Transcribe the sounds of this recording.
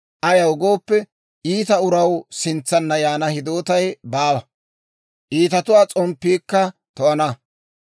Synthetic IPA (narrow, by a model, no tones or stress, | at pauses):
ʔɐjɐwɡo̞ːpːɛ | ʔiːt̪ɐʊɾɐwsɪnt͡sːɐnːɐjaːnɐhɪd̪oːt̪ɐjbaːwɐ | ʔiːt̪ɐt̪ʊwaːt͡sʼɔmpːiːkːɐt̪ɔʔɐnɐ